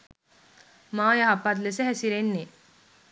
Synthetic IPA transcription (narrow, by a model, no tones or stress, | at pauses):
majaɦapːat̪̬leseɦɛsiɾenːe